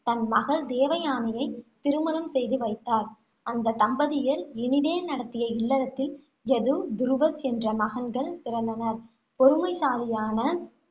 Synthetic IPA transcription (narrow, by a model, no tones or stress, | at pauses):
t̪ɐnmɐɣɐɭd̪eːʋɐjaːnɐjɐɪt̪ːɪɾɯmɐnɐmsɛjðɯʋɐɪt̪ːaːɾ | ɐnd̪ɐt̪ɐmbɐðɪjɐlɪnɪðeːnɐɽɐt̪ːɪjɐɪlːɐɾɐt̪ːɪl | ɛðɯd̪ʊɾɯʋɐsɛndrɐmɐɣɐnɡɐɭt̪ɪɾɐnd̪ɐnɐɾ | pɔɾɯmɐɪsaːlɪjaːnɐ